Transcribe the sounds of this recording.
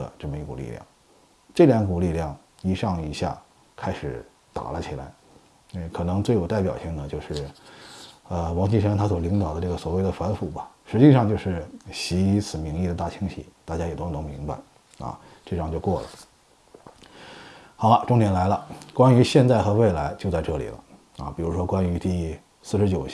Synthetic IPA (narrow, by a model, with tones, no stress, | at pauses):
ə̰˧ʈ͡ʂɤ˥˩mə˩i˧˩kṵ˨˩lḭ˥˧ljɑ̰˥˩ŋ | ʈ͡ʂɤ˥˩ljɑ˧˥n˧ku˨˩li˥˧ljɑ˥˩ŋ | i˨˧˩ʂɑ˥˩ŋi˨˩ɕja̰˥˩ | kʰa˥ɪʂɻ̩˨˩˦ | t̪a̰˨˩lə˦t͡ɕʰi˨˩la̰˧˥ɪ˧˩ | kʰɤ˨˩nɤ˧˥ŋt͡swe˥˩ɪjo˨˩ʊt̪a˥˩ɪpjɑ˨˩ʊɕi˥˩ŋd̪ə˩t͡ɕjo˥˧ʊʂɻ̩˥˩ | ə˧wɑ˧˥ŋɕi˥˧ʂə˥nt̪ʰa˥swɔ˨˩li˧˥ŋt̪ɑ˨˩ʊd̪ə˦ʈ͡ʂɤ˥˩ɡə˩swɔ˨˩we˥˩ɪd̪ə˩fə˧˥nfu˨˩bɐ˦ʂɻ̩˧˥t͡ɕi˥˧ʂɑ˥˧ŋt͡ɕjo˥˧ʊʂɻ̩˥˩ɕi˧˥˧t͡sʰɹ̩˨˩mi˧˥ŋli˥˩ə˩t̪a˥˩t͡ɕʰi˥ŋɕḭ˧˩t̪a˥˩t͡ɕja˥jɛ˨˩t̪o˥˩no˧˥ŋmi˧˥ŋba̰˧ɪ | ɐ̰˧ | ʈ͡ʂɑ˥˧ŋt͡ɕjo˥˧ʊkwɔ˥˩lə̰˩ | xɑ˧˥ʊlə˧ʈ͡ʂʊ˥ŋnjɛ˧˥nla˧˥ɪlə˧kwa˥ny˧˥ɕjɛ˥˧nt͡sa˥˩ɪxɤ˧˥we˥˩ɪla˧˥ɪt͡ɕjo˥˧ʊt͡sa˥˧ɪʈ͡ʂɤ˥˩lḭ˨˩lə̰˦ | ɐ̰˧˩pi˨˩ɻu˧˥ʂwɔ˥kwa˥ny˧˥t̪i˥˧ | sɹ̩˥˩ʂɻ̩˧˥t͡ɕjo˨˩ʊ